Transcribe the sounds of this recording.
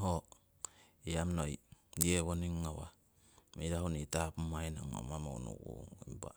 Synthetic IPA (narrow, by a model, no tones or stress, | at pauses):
ɦo | iamnojeβoniŋːawa̰ | mejɾaɦunitapmajna̰ŋma̰mamo̰wnṵkṵimba̰